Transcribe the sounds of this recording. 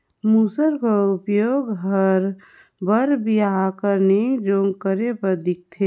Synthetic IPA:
muːsəɾkoʊpjoːɡɦəɾ | bəɾbiaakəɾned͡ʒoːŋɡkəɾepəɾd̪ɪk̚t̪ʰe

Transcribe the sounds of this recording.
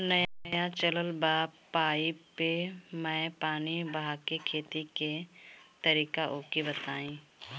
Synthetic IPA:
nɐjaɐjat͡ʃələlbaːbːaːipemɛ̃ːpaːnibɦakekʰeːt̪iket̪ɐɾiːkaʔoːkibɐt̪aːĩː

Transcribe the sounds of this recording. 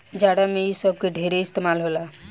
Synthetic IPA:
d͡ʒaːɽamẽjisəb̚keɖʱeɾeɪst̪eːmaːlɦoːla

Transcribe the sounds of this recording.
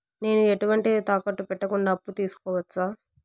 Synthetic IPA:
ne̞ːnueʈuʋɐɳʈiet̪aːkɐʈːupɛʈːɐkuɳɖaːpːut̪iːsu̥kɔːʋɐt͡ʃːaː

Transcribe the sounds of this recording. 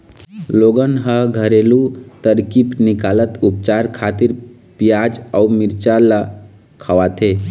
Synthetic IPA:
loɡənɦəɡʱəɾelut̪əɾkipnikalət̪up̚t͡ʃaɾkʰat̪iɾ | pijad͡ʒɔumiɾt͡ʃala | kʰəʋat̪ʰe

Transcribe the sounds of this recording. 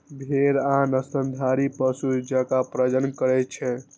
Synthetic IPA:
bʱeɾanəsənd̪ʱaɾipəsud͡ʒəkapɾəd͡ʒənkəɾɛt͡ʃʰɛ

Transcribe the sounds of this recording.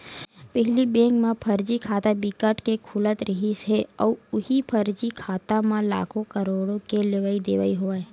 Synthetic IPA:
pɛɦlibẽːkmãpʰəɾd͡ʒikʰaːt̪abɪkəʈkekʰʊlət̪ɾɪɦisɦeɔːʊhipʰəɾd͡ʒikʰaːt̪amãla̰ːkʰõkəɾoːɽõkeleʋaːid̪eːʋa̰iɦoaː

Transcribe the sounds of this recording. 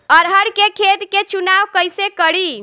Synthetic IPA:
əɾɦəɽkekʰed̪ket͡ʃunaʋkəjsekəɽi

